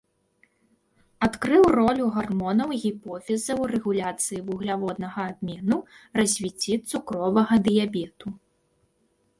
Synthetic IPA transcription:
at̪kɾɨwrɔlʲuɣarmɔnɐwɣʲipɔfʲɛzɐwrɛɣulʲat̪sɨjivuɣlʲavɔd̪nɐɣɐːbʲmʲɛnurɐzʲvʲit͡sʲːit̪sukɾɔvɐɣɐd̪ɨjabʲɛt̪u

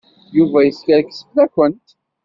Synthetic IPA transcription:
juvæjəskəɾksə̥flækʷːənt̪

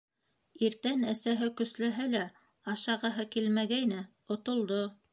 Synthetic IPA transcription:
iɾt̪ænæsæɦɘkɵ̆slæɦælæ | ɑʃɑʁɑɦɤkilmæɡæjnæ | ŏt̪ŏlˠd̪o

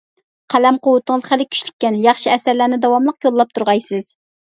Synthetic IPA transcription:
qʰælɛmqowʊt̪əŋəzχælɪkʲʰy̥ʃlykʲːɛnjɑχʃiɛsæɾlænɪd̪ɑwɑmlˠəqjolˠːɑp̚t̪ʰuɾʁɑjsɨz̥

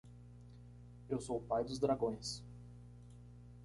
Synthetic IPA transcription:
ewsoʊpajd̪ʊzd̪ɾaɡõj̃s

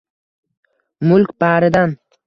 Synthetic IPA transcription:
mʊlkʲbaːɾɪd̪an

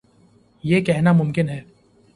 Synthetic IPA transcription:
jeːkɛɦnamʊmkɪnɦɛː

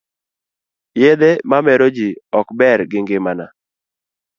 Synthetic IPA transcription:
jed̪emamɛɾod͡ʒiɔkbɛɾɡɪŋɡɪmana

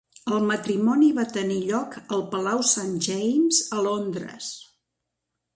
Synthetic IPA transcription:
əlˠmət̪ɾimɔniβat̪əniʎɔkəlˠpəlawsanʒɛjmzəlond̪ɾə̰s

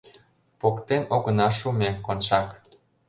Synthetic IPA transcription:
pokt̪enoɣə̆nɑʃumʲekonʃɑk

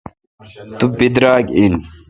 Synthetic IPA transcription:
t̪ubid̪ɾaːɡin

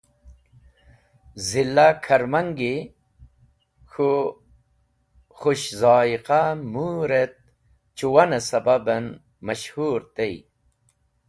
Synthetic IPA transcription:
zilːakʰɐɾmɐŋɡi | xu | χuɕzɑːiqamuɾet̪̚ | t͡ʃuwɐnɐsɐbabɐn | mɐɕhuːɾt̪ej

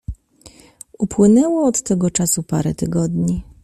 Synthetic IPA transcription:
upwɘnɛwɔɔt̪ːɛɡɔt͡ʂasupa̰ɾɛt̪ɘɡɔd̪ɲi

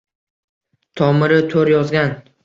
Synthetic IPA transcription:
t̪ʰɒmɪɾɪt̪ʰoɾjɒzɡʲan

